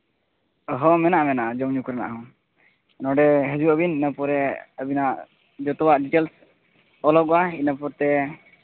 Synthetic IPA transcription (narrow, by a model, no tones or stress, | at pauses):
əɦɔmɛnaʔmɛnaʔad͡ʒɔmɲukuɾana̰ʔɦɔ̃ | nɔ̃ɖɛɦəd͡ʒuʔəbininəpɔɾɛəbinaʔ | d͡ʒɔt̪ɔwaʔɖiʈels | ɔlɔkwainəpɔɾt̪ɛ